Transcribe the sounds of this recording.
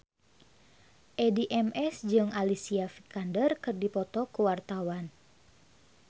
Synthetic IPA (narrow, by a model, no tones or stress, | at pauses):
ʔɛdiʔɛmʔɛsd͡ʒɨŋalisiafikandərkɨrdipɔt̪ɔkuwart̪awan